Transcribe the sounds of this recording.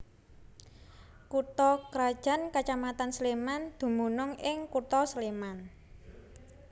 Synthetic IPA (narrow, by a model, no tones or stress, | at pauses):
kut̪ɔkɾad̥ʒ̥a̤nkat͡ʃamat̪ansəlemand̪̥ṳmunʊŋɪŋkut̪ɔsleman